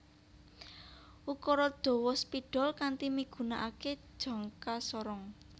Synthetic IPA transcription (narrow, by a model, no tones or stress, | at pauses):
ukɔɾɔd̪̥ɔ̤wɔspiɖ̥ɔ̤lkant̪imiɡ̥ṳnaʔake̥ʒ̥ɔ̤ŋkasɔɾɔŋ